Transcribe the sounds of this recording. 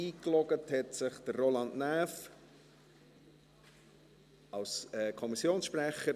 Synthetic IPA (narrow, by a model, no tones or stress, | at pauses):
iːklɔɡəthɛtsɪχd̥ərːolɑndnæːf | ɑlsɛkʰɔmisjoːnsʃpɾɛχə